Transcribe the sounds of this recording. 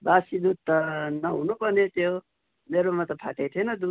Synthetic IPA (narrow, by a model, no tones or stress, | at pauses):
basid̪ud̪̚t̪ʌnʌɦunupʌnet̪jo | meɾomat̪ʌpʰa̰ʈet̪ʰienʌd̪u